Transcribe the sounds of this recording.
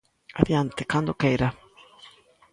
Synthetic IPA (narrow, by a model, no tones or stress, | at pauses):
aðiant̪ɪkand̪okejɾa